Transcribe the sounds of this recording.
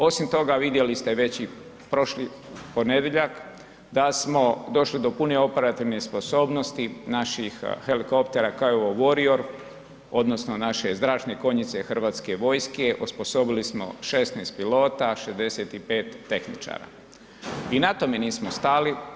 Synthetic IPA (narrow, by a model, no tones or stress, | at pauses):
o̞simt̪o̞ɡaʋid̪je̞list̪e̞ʋe̞t͡ɕi | pɾoʃli | po̞ne̞d̪jeʎak | d̪asmo̞d̪o̞ʃlid̪o̞pune̞o̞pe̞ɾat̪iʋnespo̞so̞ːbno̞st̪inaʃixxe̞liko̞pt̪e̞ɾakaoʋoʋoɾioɾ | o̞d̪no̞snonaʃe̞zd̪ɾaːʃt̪neko̞ɲit̪sexr̩ʋaːt̪ske̞ʋo̞jskeʔuspo̞so̞bilismo̞̰ʃe̞st̪nest̪pilo̞ːt̪aʃezd̪e̞se̞t̪ipe̞ːt̪ːe̞xnḭt͡ʃa̰ːɾa̰ | inat̪o̞meniːsmost̪ali